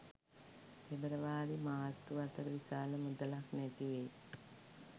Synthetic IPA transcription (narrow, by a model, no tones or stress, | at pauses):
ebəɾəʋaːɾimaɦat̪ːuat̪əɾəʋisaːləmud̪əlaknæt̪iʋej